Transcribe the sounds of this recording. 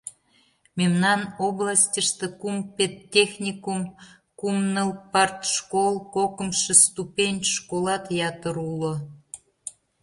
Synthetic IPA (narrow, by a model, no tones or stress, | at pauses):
memnɑnoblɑsʲtʲəʃt̪ə̆kumpet̪ːexnʲikum | kumnəlpɑrt̪ʃkolˠkokə̆mʃĕst̪upʲenʲʃkolɑt̪jɑt̪əɾulo